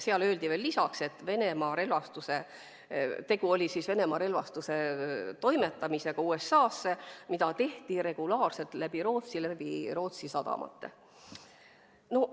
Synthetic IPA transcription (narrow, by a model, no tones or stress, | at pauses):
seɑlø̞ːld̪ive̞ːlːisɑkse̞t̪ːˑve̞ne̞mɑɾe̞lvɑst̪use̞ | t̪e̞ɡ̥uo̞lʲisisve̞ne̞mɑɾe̞lvɑst̪use̞t̪o̞jme̞t̪ːˑɑmise̞ɡ̥ɑuːe̞sːɑːsːemid̪ɑt̪e̞ht̪iɾe̞ɡ̥ulɑːrse̞lt̪læb̥iɾo̞ːt̪silæb̥iɾo̞ːt̪sisɑd̪̥ɑ̰mʔɑ̰t̪ːḛ | no